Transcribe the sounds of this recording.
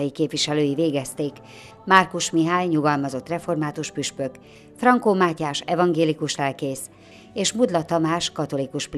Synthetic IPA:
jikeːpʋiʃɛløːjiveːɡɛst̪eːk | markuʃmiɦaːjɲuɡɒlmɒzo̞t̪ːrɛfo̞rmaːt̪uʃpyʃpø̞k | frɒŋkoːmaːcaːʃɛvɒŋɡeːlikuʃlɛlkeːs | eːʃmud̪lɒt̪ɒmaːʃkɒt̪o̞likuʃp

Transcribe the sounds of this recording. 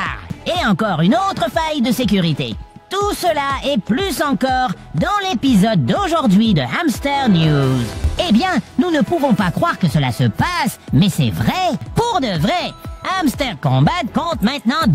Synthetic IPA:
ʁeɑ̃kɔʁynot̪χəfajd̪əsek̬ʲyʁit̪ḛ | t̪usəlaɛplysɑ̃kɔʁ | d̪ɑ̃lepizɔd̪̚ːoʒuʁd̪ɥid̪əamst̪ɛʁnjuzebjɛ̃nunəpuvɔ̃pakχwaʁkəsəla̰səpasmɛsɛ̰vʁɛpuʁd̪əvʁɛamst̪ɛʁkɔ̃bat̪kɔ̃t̪mɛ̃t̪nɑ̃

